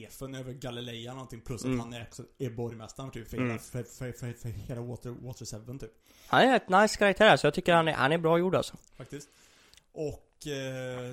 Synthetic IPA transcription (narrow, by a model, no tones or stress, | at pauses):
fənøːvəɾɡalɪlɛjanɔnt̪ʰɪŋpʰlɵsːat̪ːhanɛɾɔksɔɛbɔɾjmɛst̪ant̪ʰyːpflafœɾfffœɾheːlawoːt̪əɾwo̰ːt̪əɾsɛvənt̪ʰyːp | hanɛɾɾɛt̪najskʰaɾak̚t̪ʰæːɾæɾʂɔjɑɡt̪ʰʏkːəɾhanɛ̰ɾha̰nɛɾbɾɑːjuːɖa̰lsɔ | fak̚t̪ɪst̪ | ʔɔk